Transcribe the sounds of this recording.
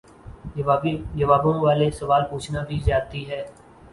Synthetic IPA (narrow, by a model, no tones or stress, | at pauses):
d͡ʒəʋaːbõʋaːlesəʋaːlpuːt͡ʃʰnabʱizjaːt̪iɦɛː